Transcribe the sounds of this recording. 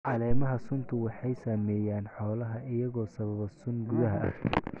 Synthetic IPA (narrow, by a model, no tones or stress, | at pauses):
ʕɑlɛːmɐɦɐsʊnt̪ʰʊwɑħɑjsaːmɛːjaːnħɔːlɐɦɐʔɪjɐɣɔːsɐβɐβɐsʊnɡʊðɐɦɐ̰ʔɐ̰k̪ʰɛ